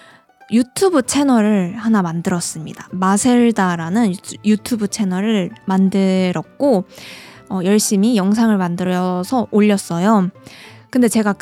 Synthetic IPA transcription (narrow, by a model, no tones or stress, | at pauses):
jutʰubɯt͡ɕʰe̞nʌɾɯɭhanamandɯɾʌs͈ɯmɲidḁmasʰe̞ɭdaɾanɯnjutʰubɯt͡ɕʰe̞nʌɾɯɭmandɯɾʌk̚k͈o | ʌjʌɭɕ͈imijʌŋs̬ʰaŋɯɭmandɯɾʌsʰʌʔoʎːʌs͈ʌjo | kɯndet͡ɕe̞ɡak